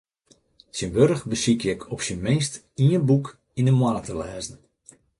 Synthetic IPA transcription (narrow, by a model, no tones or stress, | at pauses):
sinʋøɾəxbəsikjɛkʰɔpsinmeːst | iənbuk | indəmwaːətəlɛːzən̩